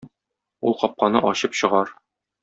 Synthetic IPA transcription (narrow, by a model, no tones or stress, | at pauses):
ulˠqɒp̚qɑnɤʔɒɕɤpɕɤ̆ʁɑɾ